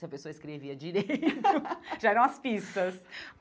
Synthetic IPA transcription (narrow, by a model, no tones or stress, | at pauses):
ɐpesoɐɪskɾeviɐd͡ʒiɾejt̪ʊʒaɛɾɐ̃ɐspist̪ɐs